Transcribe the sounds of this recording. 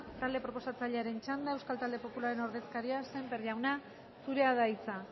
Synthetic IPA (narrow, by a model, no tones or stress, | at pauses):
t̪ald̪e̞pɾo̞po̞sat͡saʎe̞aɾe̞nt͡ʃand̪ae̞wskalt̪ald̪e̞po̞pulaɾe̞no̞ɾðe̞skaɾiase̞mpeɾʎawna | suɾe̞aðait͡sa